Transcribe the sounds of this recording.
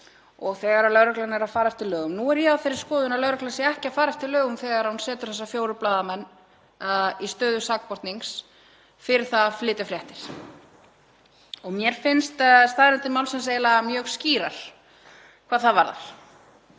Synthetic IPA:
ɔɣθɛɣaɾalœɣɾɛklanɛɾaðfaːɾaɛft̪ʰɪlœːɣʏmnuɛɾjɛawfeɾːɪɾ̥skɔːðʏnalœɣɾɛklasɪɛhcɪaðfaːɾaɛft̪ʰɪlːœːɣʏmθɛːɣaɾhunsɛːt̪ʏɾ̥θɛsːafjoːwɾʏplaːðamɛnː | ist̪œːðʏsak̚pɔɾt̪niŋs | fɪɾɪɾθaðflɪːt̪ɪfɾjɛht̪ɪɾ̥ | ɔɣmjɛɾ̥fɪnst̪st̪aðɾɛnt̪ɪmawlsɛnseːjlaamjœːɣsciːɾa̰ɾ̥ | kʰvaːðθaðvaɾða̰ɾ̥

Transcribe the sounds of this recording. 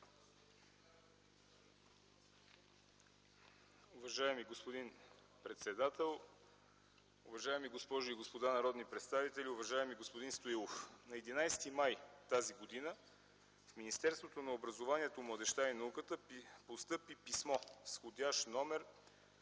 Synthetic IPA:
ʊvɐʒaɛmiɡospod̪in | pɾɛt̪sɛd̪at̪ɛlˠ | ʊvɐʒaɛmiɡospɔʒʊiɡospod̪anɐɾɔd̪nipɾɛt̪st̪avit̪ɛliʊvɐʒaɛmiɡospod̪inst̪oilˠofnɐɛd̪inajst̪imajt̪aziɡod̪inə | fminist̪ɛɾst̪vot̪onɐobɾɐzovaniɛt̪omlˠəd̪ɛʃt̪ainɐukət̪əpost̪ɤpipismɔsxod̪ʲaʃnɔmɛɾ

